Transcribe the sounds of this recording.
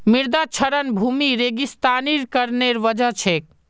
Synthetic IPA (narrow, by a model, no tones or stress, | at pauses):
miɾd̪at͡ʃʰəɾənbʱumiɾeɡist̪aniɾkəɾneɾʋəd͡ʒət͡ʃʰek̚